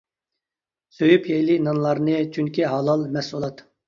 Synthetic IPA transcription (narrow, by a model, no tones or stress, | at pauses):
søjypʰjɛjlinɑnlˠɑɾnɨt͡ʃʰyŋkʲiɦɑlˠɑlˠmɛsulˠɑt̪